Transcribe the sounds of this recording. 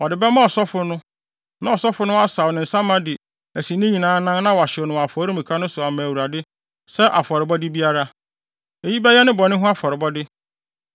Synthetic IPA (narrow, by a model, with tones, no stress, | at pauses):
ɔ˨dɪ˨bɛ˦mã˦ɔ˨sɔ˦fʊ˦nʊ̃˦ | nã˨ɔ˨sɔ˦fʊ˦nʊ̃˦a˦sa˨wnɪ̃˨n̩˨sã˦mã˦dɪ˨ | æ˨si˨nɪ̃˦ɲĩ˨nãː˨˦nã˦nnã˦wɔ˨a˨ɕɪ˨ɔ˨nʊ̃˨a˨fɔ˨˦ɾi˦mĩ˨kʰa˦nʊ̃˦sʊ˨a˨mã˨wu˨ɾa˨dɪ˦ | sɛ˦ʔa̰˨fɔ˨ɾɪ˨bɔ˦dɪ˦bi˦a˦ɾa˦ | e˨ji˦bɛ˦jɛ˦nɪ̃˦bɔ˨nɪ̃˦ɦʊ̃˦a˦fɔ˨ɾɪ˨bɔ˦dɪ˦